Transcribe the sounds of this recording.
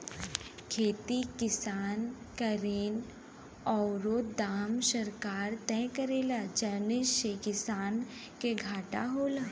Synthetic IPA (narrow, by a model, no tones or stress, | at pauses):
kʰeːt̪ikɪsaːn | kəɾeːn | ɔːɾod̪aːmsəɾkaːɾt̪ɛ̃kəɾeːlad͡ʒənɪsekɪsaːn | keɡʱaːʈa̰ɦoːlaː